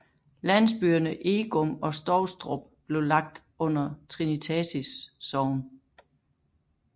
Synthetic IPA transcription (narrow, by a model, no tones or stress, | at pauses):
læn̰sb̥yɐnəʔe̝ːɡ̥ɔmɒ̽sd̥ɒʊsd̥ʁɔb̥b̥le̝ʊlɑ̈ɡ̥̚d̥ | ɔ̽n̰ɐt͡sʰʁinit͡sʰɛsisːɒʊn